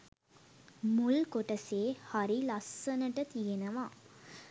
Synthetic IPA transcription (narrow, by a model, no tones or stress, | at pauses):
mulkoʈəseːhaɾilasːənəʈət̪ijenəʋa